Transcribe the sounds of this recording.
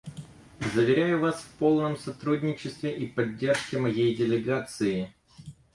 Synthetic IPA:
zəvʲɪɾʲæjʊvasfpo̞lˠnəmsɐt̪ɾudʲnʲɪt͡ɕɪst̪vʲɪʔipɐdʲːe̞rʂkʲɪmɐjejdʲɪlʲɪɡat̪sɨɪ

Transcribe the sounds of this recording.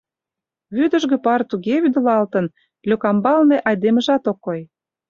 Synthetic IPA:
βyd̪ə̆ʒɣĕpɑrt̪uɣeβyd̪ə̆lɑlt̪ən | lʲøkɑmbɑlneʔɑjd̪emə̆ʒɑt̪okːoj

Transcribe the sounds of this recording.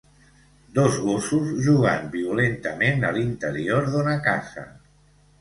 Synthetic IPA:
d̪ozɣosuzʒuɣ̞a̰nbiulent̪əmenə̰lint̪əɾioɾðonakasa̰

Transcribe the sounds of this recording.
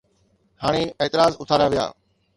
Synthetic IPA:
haːɽ̃eeːt̪ɪɾaːzʊt̪ʰaːɾaʋija̰ː

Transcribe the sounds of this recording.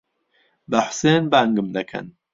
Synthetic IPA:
bəħseːnbaŋɡɨmd̪ɐkʰɐ̰n

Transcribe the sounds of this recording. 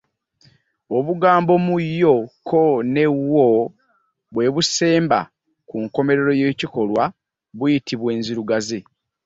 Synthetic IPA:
o̞βuɡaːmbo̞mujːokʰone̞wːo | βwe̞βuse̞ːmba̰ | kuŋko̞me̞ɾe̞ɾo̞jeːciko̞lwa | βujitʰiβwe̞ːnziɾuɡaze

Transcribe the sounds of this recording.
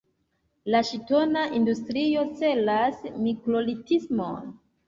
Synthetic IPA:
laʃito̞naʔindustɾio̞t͡se̞lasmikɾo̞litismo̰n

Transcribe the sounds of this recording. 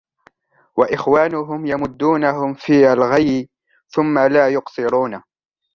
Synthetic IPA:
waʔɪxwaːnʊɦʊmjamʊd̪ːuːnaɦʊmfiːʔalɣajɪ | θʊmːalaːjʊqsˤɨɾuːna

